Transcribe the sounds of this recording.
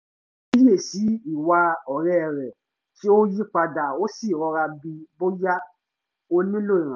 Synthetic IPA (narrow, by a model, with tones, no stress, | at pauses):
i˦je˦˨si˨˦i˦˨wa˧ɔ˨ɾɛ˦˨ɾɛ˨ | ti˦o˦ji˦k͡pa˧da˨o˦si˦˨ɾɔ˧ɾa˧bi˧bo˦ja˦ | o˧nĩ˦lo˦˨i˨ɾ̃ã˨˦˨